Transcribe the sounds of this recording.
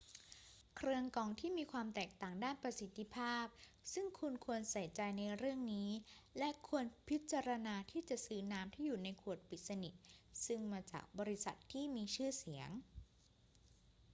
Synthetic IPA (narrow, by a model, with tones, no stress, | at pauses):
kʰɾɯ˧əŋkɔː˨˩ŋt̪ʰiː˥˩miː˧kʰwaː˧mt̪ɛː˨˩k̚t̪aː˨˩ŋdaː˥˩npɾa˧si˨˦t̪ʰːi˧˥pʰaː˥˩p̚sɯ˥˩ŋkʰu˧nkʰu˧ənsa˨˩˦jt͡ɕa˧jna˧jɾɯ˥˩əŋniː˦˥lɛ˦˥kʰu˧ənpʰi˦˥t̪̚t͡ɕa˧ɾa˧naː˧t̪ʰiː˥˩t͡ɕa˨˩ʔsɯː˦˥naː˦˥mt̪ʰiː˥˩juː˨˩na˧jkʰu˨˩ət̪̚pʰi˨˩t̪̚sa˧ni˨˩t̪̚sɯ˥˩ŋmaː˧t͡ɕa̰ː˨˩k̚bɔː˧ɾi˧˥sa̰˨˩t̪ʰːiː˥˩miː˧t͡ɕʰɯː˥˩si˩˦əŋ